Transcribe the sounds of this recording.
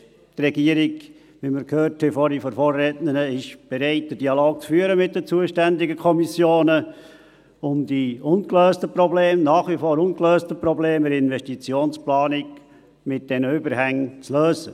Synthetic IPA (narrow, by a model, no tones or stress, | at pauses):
trɛɡiəɾɪɡ | ʋiməɾkʰhøːɾtʰhɛfɔɾifɔɾfoːrːɛtnənəɪʃb̥ɛɾaɪt̚d̥ədialoːk̚t͡sfyːəɾəmɪt̚dət͡suəʃtændɪɡəkʰɔmisjoːnə | ʊmd̥iʊnkløːstəprɔbleːmnɑːχʋifoːɾʊnkløːstəprɔbleːməɾɪnvɛʃtit͡sjoːnsplɑːnɪk | mɪt̚d̥ɛnəʏbəɾhæŋt͡sløːzə